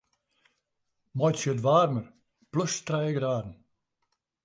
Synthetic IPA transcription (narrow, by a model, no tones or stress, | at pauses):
mɔjtsətʋaːrmər | plɵstrɛjəɡɾaːdən̩